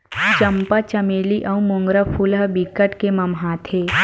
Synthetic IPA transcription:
t͡ʃɐmpat͡ʃɐmeːliʔɐũmʊ̃ŋɡɾəpʰulɦəbikəʈkemɐmɦaːt̪ʰeː

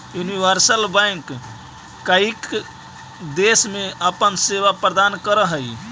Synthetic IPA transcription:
juniʋəɾsəlbɛŋkː | aik | d̪esmeəpənseʋapɾəd̪ankəɾəɦəj

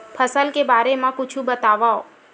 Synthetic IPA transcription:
pʰəsəlkebaːɾemãkʊt͡ʃʰũbət̪aʋao

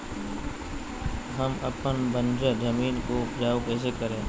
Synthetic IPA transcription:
ɦəməpənbənd͡ʒəd͡ʒəmiːnkoʊpd͡ʒaːokeːsekəɾẽː

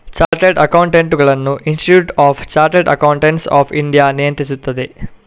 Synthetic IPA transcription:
t͡ʃaːɾʈeɖɐkɐwuɳʈeɳʈuɡɐɭɐnːuʔinsʈiʈjuːʈaːft͡ʃaːɾʈeɖɐ̰kɐwuɳʈeɳʈsa̰ːpʰiɳɖijanijɐnt̪ɾisut̪ːɐd̪e

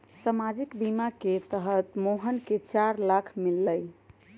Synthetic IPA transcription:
səmad͡ʒikbimaket̪əɦət̪moɦənket͡ʃaɾlakʰmilːəj

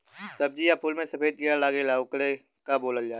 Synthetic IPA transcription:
sɐb̚d͡ʒiːapʰʊlmẽsɐpʰeːd̪̚kɪalaːɡelaːʊkle | kaboːləljaː

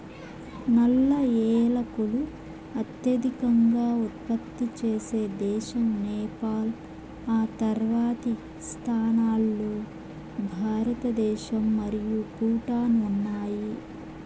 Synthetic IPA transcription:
nɐlːɐɛːlɐkulu | ɐt̪jɐd̪ʱikɐŋɡaːut̪̚pɐt̪ːit͡ʃeːseːd̪ɛːʃɐmnɛːpaːl | aːt̪ɐɾʋaːt̪i | st̪ʰaːnaːlːoː | bʱaːɾɐt̪ɐd̪ɛːʃɐmːɐɾijukuːʈaːnuːnːaːji

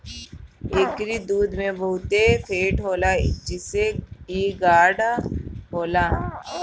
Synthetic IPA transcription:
eːkɾid̪uːd̪mẽbəɦʊt̪epʰeːʈɦoːlad͡ʒɪseiːɡaːɖaɦoːla

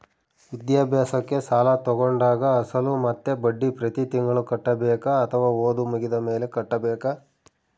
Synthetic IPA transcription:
ʋid̪jaːbʱjaːsɐkːe̞saːlɐt̪ɔɡoɳɖaːɡɐːsɐlumɐt̪ːe̞bɐɖːipɾɐt̪it̪iŋɡɐɭukɐʈːɐbɛːkɐːt̪ʰɐʋaːoːd̪umuɡid̪ɐme̞ːle̞kɐʈːɐbɛːkɐ

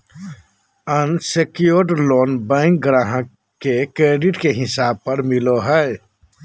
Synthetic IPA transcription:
ənsekijoːɾɖloːnbɛ̃ːŋk̚ɡɾaːɦə̃ | kekɾeːɖɪʈkeɦɪsaːb̚pəɾmɪloɦɛ

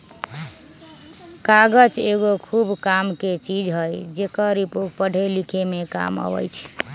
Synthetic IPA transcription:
kaɡət͡ʃeɡokʰubkamket͡ʃid͡ʒɦəjd͡ʒekəɾipoʈ̚pəɽ̤ʱelikʰemeka̰mə̰bə̰jt͡ʃʰ

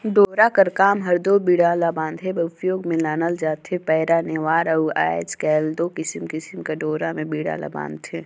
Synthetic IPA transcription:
ɖoːɾakɐɾkaːmɦɐɾd̪oːbiːɽaːlabãːnd̪ʱɦebɐʊpjoːɡmẽlaːnəld͡ʒaːt̪ʰepɛːɾaneːʋaːɾɐua̰ːed͡ʒkɛːld̪oːkɪsmkɪsmkaɖoːɾamẽbiːɽa̰la̰ba̰ːnd̪eː

